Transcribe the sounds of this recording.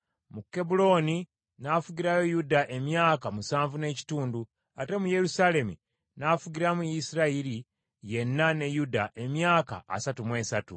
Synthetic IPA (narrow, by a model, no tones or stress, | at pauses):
mukːe̞bulo̞ːni | nafuɟiɾajo̞judaʔe̞mjaːkamusaːɱvune̞ːci̥tuːndu | ate̞muje̞ɾusale̞mi | nafuɟiɾamujisiɾaiɾi | je̞nːane̞judaʔe̞mjaːka̰ːsatumwe̞ːsatṵ